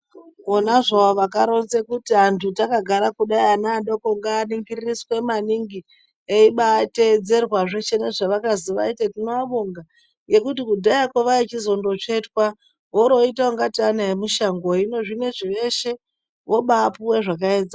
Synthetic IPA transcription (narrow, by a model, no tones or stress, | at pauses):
onaʐaoʋakaɾo̞nzekutiantʰutakaɡʱaɾakuɗaianaːɗokoŋɡaːniŋɡiririswe̞maniŋɡi | eiɓaːte̞d͡ze̞rwaʐet͡ʃe̞neʐaʋakaziʋa̰itatinoaɓoŋɡa | je̞kutikudʱajakoʋait͡ʃizo̞ndo̞t͡ʃe̞twa | woɾo̞itaaŋɡatianaemuʃaŋɡoino̞ʐine̞ʐiʋe̞ʃe̞ | ʋo̞ɓapuweʐakaeːd͡za